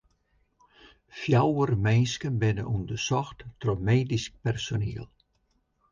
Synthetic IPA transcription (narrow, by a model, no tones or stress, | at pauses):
fjawərmejnskənbɪnə̰ʔundəsɔxttromeːdisk̚pɛrsoniːəlˠ